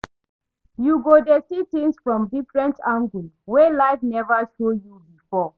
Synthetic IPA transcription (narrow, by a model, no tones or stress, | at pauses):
juɡodɛsitĩŋsfɹɔ̃mdifɹɛ̃ntãŋɡul | wɛlaɪfnɛvəʃojubifɔ